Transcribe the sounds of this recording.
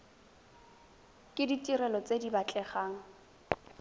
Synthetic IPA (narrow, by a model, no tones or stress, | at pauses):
kʼɪditʼiɾɛlɔt͡sʼedibat͡ɬʼɛχaːŋ̩